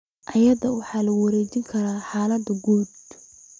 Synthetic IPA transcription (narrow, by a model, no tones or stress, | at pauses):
ʔɐjɐd̪ɐwɑħɑːlɐwɐɾɛːt͡ʃɪŋkʰɐɾaːħɑːlɐd̪ɐɡuːd̪